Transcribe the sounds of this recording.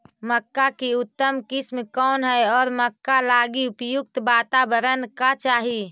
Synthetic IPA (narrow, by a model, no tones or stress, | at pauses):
məkːakiʊt̪ːəmkɪsmkɔːnɦɛeɔːɾməkːalaːɡiʊpjʊk̚t̪baːt̪abəɾənkat͡ʃaːɦi